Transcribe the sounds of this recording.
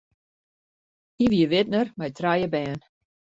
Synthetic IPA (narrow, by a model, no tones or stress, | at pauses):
hiʋiəʋɪt̚nərmɛjtrajəbɛːn